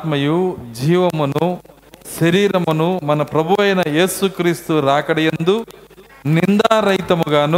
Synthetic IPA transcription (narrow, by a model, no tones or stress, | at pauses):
t̪mɐjud͡ʒiːʋɐmɐnu | ʃɐɾiːɾɐmɐnumɐnɐpɾɐbʱuʋɐjɐnɐjeːsukɾiːst̪uɾaːkɐɽɛjend̪u | nind̪aːɾɐjt̪ɐmuɡaːnu